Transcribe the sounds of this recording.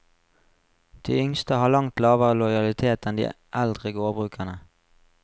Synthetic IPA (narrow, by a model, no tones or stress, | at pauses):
d̪̥ḭːʏŋst̪əhɑːlɑŋt̪lɑːʋəʁəlɔɪɑlɪt̪ʰeːt̪ɛnd̪ḭː | ʔɛld̪ʁəɡoːbʁʉːkʰənə